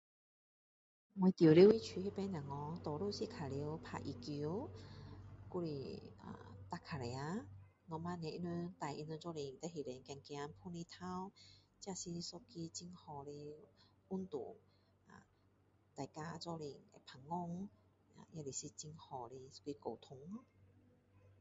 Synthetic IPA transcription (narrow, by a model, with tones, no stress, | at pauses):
ŋwe˧t̪i˨˩˨li˧˦wi˦˧˦t͡ɕʰi˧he˦˧pɛ˦nã˨˩ŋɔ˧˦t̪ɔ˨lu˥˧˨si˧kʰa˨li˧˦wpʰa̰˧ʔḭ˨˩ki˧˦ | ku˧lḭ˧˩a̰˨˧t̪a˧kʰa˨lɛ˧˨a˧˦ | ŋɔ˧ma˧nɛ̃˧ʔi˧nu˧t̪a˨˩jʔḭ˧nu˧˦t͡sɔ˥˧li˧˩ŋt̪ɛ˧ɦi˨˩le˨˦ŋkɛ˧ŋkj̃a˧˦npʰu˧ni˧t̪ʰa˧w | t͡ɕja˧si˧sɔ˦˧ki˧t͡ɕi˧ŋhɔ˨˧˩li˧ | u˦nt̪ṵ˨ | a̰˨˩ | t̪a˨˩jka˧t͡sɔ˧li˧˩ŋe˧˩pʰa˨˩ŋŋːɔ˧ŋ | a̰˨ja˧li˨˩si˧t͡ɕi˧ŋhɔ˨˩li˧sɔ̥˦˧ki˧ko˨˩wt̪ʰʊ˧˦ŋ˧˦